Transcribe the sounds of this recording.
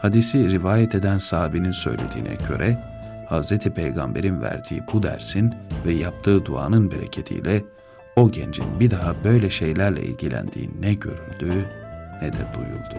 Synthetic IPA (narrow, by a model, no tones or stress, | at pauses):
had̪isiɾivaːjɛt̪ʰe̞d̪ænsaːbininsø̞̰jlʲe̞̰d̪ḭːnɛ̰ɟø̞ɾʔɛ | hazɾet̪ʰipʰejɡambe̞̰ɾinvæ̰ɾd̪̥ḭːbud̪æ̰ɾsinvɛjap̚t̪ʰɯːd̪ua̰ːnɯnbeɾḛcʰet̪ʰḭjlʲɛ | o̞ɟend͡ʒḭnbid̪aɦabø̞jlʲɛʃejlʲæɾlʲɛ̰ʔḭlɟilʲæ̰nd̪̥ḭːɛɟø̞ɾylʲd̪ynɛd̪ɛd̪ujṵlˠd̪̥u